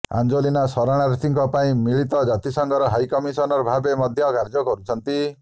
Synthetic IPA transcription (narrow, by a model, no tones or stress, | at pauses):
a̰nd͡ʒolinasɔɾaɽ̃aɾet̪ʰiŋkɔpaĩmiɭit̪ɔd͡ʒat̪isɔŋɡɔɾɔɦajkɔmisɔnɔɾɔbʱabemɔd̪ʱjɔkaɾd͡ʒɔkɔɾut͡ʃʰɔnt̪i